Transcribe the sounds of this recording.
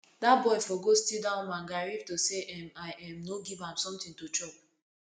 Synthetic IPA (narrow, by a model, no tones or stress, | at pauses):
dabɔɪfɔɡostildãʊ̃nmãŋɡaɹivtoseʔɛmaɪʔɛmnoɡivãmsɔ̃mtĩŋtot͡ʃɔb